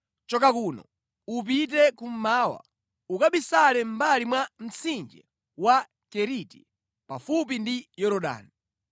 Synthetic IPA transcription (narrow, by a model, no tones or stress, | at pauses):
t͡ʃɔkakuːnɔ̰ | up̬it̬ɛkum̩maːwa̰ | ukaɓisalɛm̩balimwam̩t͡sind͡ʒɛ̰ | wa | kɛɾiti | pafup̬indijɔɾɔɗa̰ːni